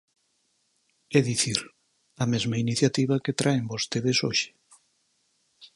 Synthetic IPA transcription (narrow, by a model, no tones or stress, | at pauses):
ɛðiθiɾ | ɐmezmainiθjat̪iβɐket̪ɾʔaembost̪eðesoʃɪ̥